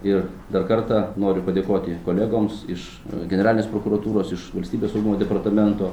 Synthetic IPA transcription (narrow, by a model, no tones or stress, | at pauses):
ɪr | d̪ɐrkɐɾt̪ɐnoːɾʲʊpɐd̪ʲeːkoːt̪ʲɪkoːlʲeːɡoːmsɪʃ | ɡʲɛnʲɛɾɑlʲnʲeːspɾoːkuɾɐt̪uːɾoːsɪʃʋɐlʲsʲt̪ʲiːbʲeːsɐʊɡʲumoːd̪ʲɛpɐrt̪ɐmʲɛnt̪oː